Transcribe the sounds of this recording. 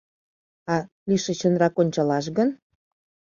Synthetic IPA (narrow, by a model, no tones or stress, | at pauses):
ɑ | liʃə̆t͡ɕə̆nrɑkonʲt͡ɕɑlɑʃɡən